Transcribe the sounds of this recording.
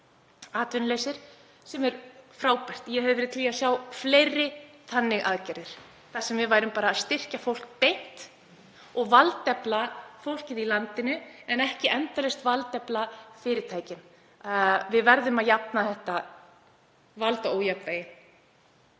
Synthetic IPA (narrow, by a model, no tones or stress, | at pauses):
aːt̪vʏnlejsɪɾ̥ | sɛmɛɾfɾaːwpajr̥t̪jɛɦɛvðvɛɾɪðt̪ʰliːasjaːwflejrːɪθʰanːɪɣʔa̰ðcaɾðɪɾ̥ | θasɛmvɪðvaːjɾʏmpaːɾaːðst̪ɪr̥cafowl̥k̚pejn̥t̪ | ɔɣvalt̪ɛplafowl̥cɪðilant̪ɪnʏɛnɛhcɪʔɛnt̪alɛst̪valt̪ɛplafɪːɾɪt̪ʰaːjcɪn | vɪðvɛɾðʏmaðjapnaθɛht̪a | valt̪aowjaplajɪ